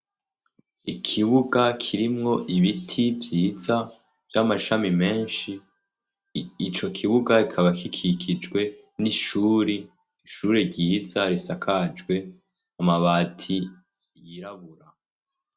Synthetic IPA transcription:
ikʰiβuɡakʰiɾimŋo̞ʔiβitʰivjiːza | vjamaʃamime̞ːnʃi | t͡ʃo̞kʰiβuɡaikʰaβakikʰikʰid͡ʒɡwe̞ | niʃuːɾi | ʃuɾeɾɟiːzaɾisakʰad͡ʒɡwe̞ | amaβaːtʰi | jiɾaβuɾa

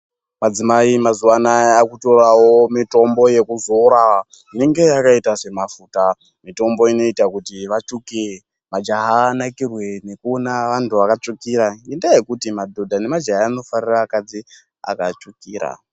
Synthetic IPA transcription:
mad͡zimaimazuwanaakuto̞ɾawo̞mito̞mbo̞je̞kuzoɾa | ineŋɡe̞akaitase̞mafuːta | mito̞mbo̞ino̞itakutiʋat͡ʃuke | mad͡ʒaɦaːnakirwe̞ne̞kuonaʋantuʋakat͡ʂukiɾaindajekutimadʱo̞dʱane̞mad͡ʒaɦaːno̞fariraːkad͡zi | a̰kat͡ʂukiːɾa̰

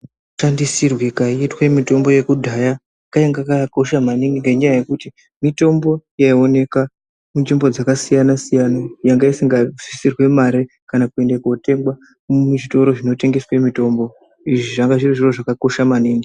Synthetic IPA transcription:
tandisirwikaiitwemito̞mbo̞je̞kudʱaja | kajeŋɡakako̞ʃamaniŋɡiŋɡeɲajaje̞kuti | mito̞mbo̞jaio̞ne̞ka | munʐimbo̞d͡zakasijanasijanajaŋɡaisiŋɡad͡zisirwe̞maɾe | kanakue̞ndekuote̞ŋɡwa | mmuʐito̞ɾo̞ʐino̞te̞ŋɡe̞swe̞mito̞mbo̞ | iʐiʐaŋɡaʐiriʐiro̞ʐakako̞ʃamaniːŋɡi

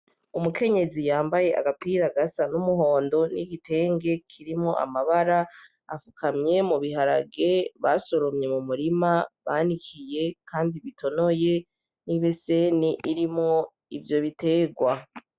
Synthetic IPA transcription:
umukʰe̞ɲe̞zijaːmbaje̞ʔa̰ɡapiɾaɡasanumuɦo̞ːndo̞niɡitʰe̞ːŋɡe̞kʰiɾimŋo̞̰ʔa̰maβaɾa | a̰fukʰamɲe̞muβiɦaɾaɡe̞βaso̞ɾomɲe̞mumuɾimaβaːnikʰije̞kʰaːndiβitʰo̞no̞je̞ | niβeseniʔiɾimŋo̞ | ivjo̞βite̞ːɡwa

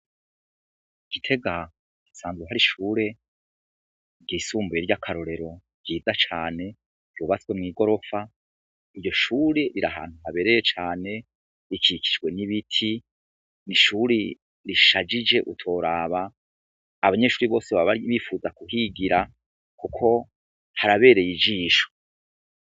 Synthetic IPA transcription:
ɡ̥itʰe̞ɡḁ | isaːnzuɦaɾiʃuːɾe̞ | ɟiːsuːmbujeɾɟakʰaɾo̞ɾe̞ɾo̞ | ɟ̥iːzat͡ʃaːne̞̥ | juːβat͡swe̞mŋiːɡo̞ɾo̞fa | iɾɟo̞ʃuːɾe̞ɾiɾaɦa̰ːn̥huɦaβe̞ɾe̞jet͡ʃaːne̞ | ɾikiki̥d͡ʒɡwe̞niβitʰi | niʃuːɾi | ɾiʃad͡ʒid͡ʒe̞ʔutʰo̞ːɾaːβaː | βaɲe̞ʃuːɾiβo̞ːseβaβaiβifuːzakuɦiɡiɾa | kukʰo̞ | haɾaβe̞ːɾe̞jid͡ʒiːʃo̥

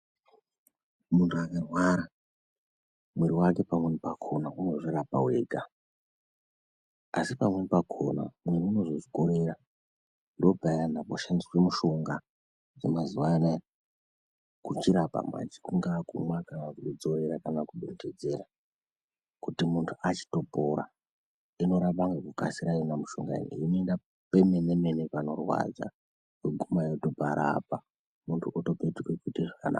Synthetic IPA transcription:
muntʰuakarwaɾa | mweɾiwake̞pamwenipakʰo̞nauno̞ʐiɾapa̰we̞̰ːɡʱa | asipamwenipakʰo̰na̰mweɾiuno̞ʐoʐiko̞ɾe̞ɾa | ndo̞bʱajanakoʃandiwemuʃo̞ŋɡa | d͡zemazuʋana | kut͡ʃiɾapa̰mwa̰d͡ʒi̥kuŋɡakumwakanakuɗud͡zo̞ɾeɾakanakuɓended͡ze̞ɾa | kutimuntʰuat͡ʃi̥to̞poɾa̰ | ino̞ɾapaŋɡekukasiɾajonamuʃo̰ŋɡa̰ḭnḭino̞enda | pe̞me̞ne̞me̞nepano̞rwa̰d͡za̰ | kweɡʱumajoto̞bʱaɾa̰pa | muntʰuoto̞petukwekutiʐakana̰

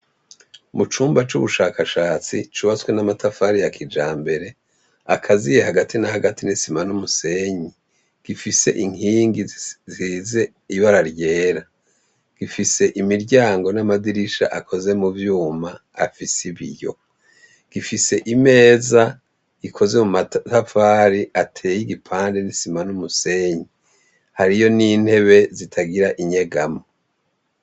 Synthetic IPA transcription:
mut͡ʃuːmbat͡ʃuβuʃaːkaʃaːt͡sit͡ʃuβat͡swe̞namatʰafaɾijakʰid͡ʒaːmbe̞ɾe̞ | akʰazijehaɡatʰinahaɡatinisimanumuse̞ɲi | ɡ̥ifise̞̰ʔiŋhiːŋɡizize̞ | iβaɾaɾɟe̞ːɾa | ɡ̥ifise̞ʔimiɾɟaːŋɡo̞namadiɾiʃa̰ʔakʰo̞ze̞muvjuːma̰ːfisiβḭjo̞̰ | ɡ̥ifise̞ʔime̞ːza | ikʰo̞ze̞mumatafaːɾiʔatʰeːjiɡipʰaːnde̞nisimanumuse̞ːɲi | haɾijo̞niːn̥he̞βe̞zitʰaɡiɾaʔiɲeɡamo

